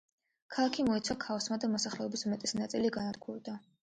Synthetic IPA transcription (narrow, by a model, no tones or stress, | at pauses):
kʰalˠakʰimɔit̪sʰwakʰavsmad̪amɔsaχlɛɔbismɛt̪ʼisnat̪sʼiliɡanat̪̚ɡʰuɾd̪a